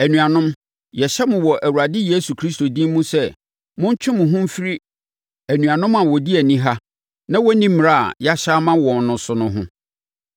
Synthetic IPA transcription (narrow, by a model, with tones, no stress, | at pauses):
æ˨nũ˨a˨nʊ̃˦m | jɛ˨ɕɛ˦mʊ̃˨wɔ˨ʔæ˨wu˨ɾa˨dɪ˦jeː˦su˨kʰɾi˦sto˨dĩ˦m˦mũ˦sɛ˦˨ | mʊ̃˦ɲ˦t͡ɕᶣʰɪ̃˦mʊ̃˨ɦʊ̃˦m̩˦fi˦ɾi˦ | æ˨nũ˨ã˨nʊ̃˦ma˨wɔ˨di˦æ˨nĩ˦ɦa˦ | nã˦wɔ˦nĩ˦mmː˨ɾa˦˨a̰˨ja˦ɕa˦mã˦wɔ̃˨nnʊ̃˨sʊ˨nʊ̃˦ɦʊ̰̃˦